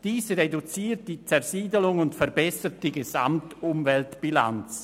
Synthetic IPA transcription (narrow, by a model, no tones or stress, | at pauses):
d̥iːsʁedut͡siːt̚d̥iːt͡sɛʁziːdəlʊŋʊntfɛʁbɛsət̚d̥iːɡez̥a̰mtʊmvɛltb̥ila̰nt͡s